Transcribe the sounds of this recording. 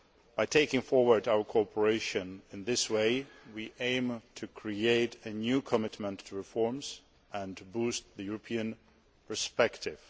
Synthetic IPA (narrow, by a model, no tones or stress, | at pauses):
b̥aɪtʰeɪkɪ̃ŋfɔɹwə˞daʊə˞kʰɔpʰə˞eɪʃɨ̃nɨ̃nðɪsweɪwiʔẽɪ̃mtʰɨkʰɹ̥ieɪɾɨnjʉkʰəmɪtmə̃ntʰːəɹɨfɔɹmz̥ | ʔɨ̃ntʰbust̪̚ðɨjuɹəpʰĩɨ̃n | pʰə˞spɛktɪv̥